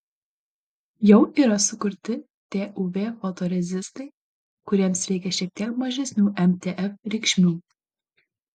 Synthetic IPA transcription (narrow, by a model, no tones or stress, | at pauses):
jɛwʔiɾɑsʊkʊɾʲt̪ɪ | t̪eʔuvʲefot̪oɾʲɛzʲɪst̪ɨ | kuɾʲɛmsɾʲɛjkʲɛʃɛk̚t̪ɛkmɑʒʲɛsʲnʲuːʔɛmt̪ʲeʔɛfɾʲikʲʃʲmʲuː